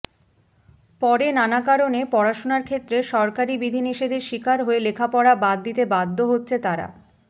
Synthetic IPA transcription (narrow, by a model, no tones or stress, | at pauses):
pɔɾenanakaɾonepɔɾaʃonaɾkʰet̪ːɾeʃɔɾkaɾibid̪ʱiniʃed̪eɾʃikaɾɦoelekʰapɔɾabad̪ːit̪ebad̪ʱːoɦotːɕʰet̪aɾa̰